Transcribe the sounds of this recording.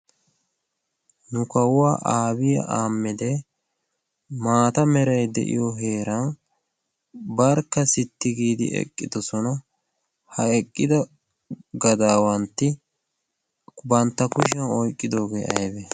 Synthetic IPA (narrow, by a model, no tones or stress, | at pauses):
nʊkɐwʊwaːʔaːbɪjɐ̰ʔaːmːɪd̪ɛ | maːt̪ɐmɛɾɐjd̪ɛ̰ʔɪ̰joɦe̞ːɾɐn | bɐɾkːɐsɪt̪ːɪɡiːd̪ɪ̰ʔɛ̰kʼːɪd̪ɔsɔnɐ | hɐɛkʼːɪd̪ɐ | ɡɐd̪aːwɐnt̪ːɪ | bɐnt̪ːɐkʊʃ̬ɛnɔjkʼːɪd̪o̞ːɡḛːʔɐ̰jbe